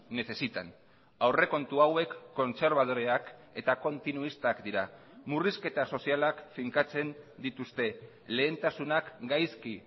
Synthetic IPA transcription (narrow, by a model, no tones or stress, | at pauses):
ne̞se̞sit̪an | awre̞ko̞nt̪uawe̞kːo̞nse̞ɾβ̞að̞o̞ɾeake̞t̪ako̞nt̪inuist̪akd̪iɾa | muriske̞t̪aso̞sialakfiŋkat͡se̞nd̪it̪ust̪e̞ | le̞ːnt̪asunakɡajski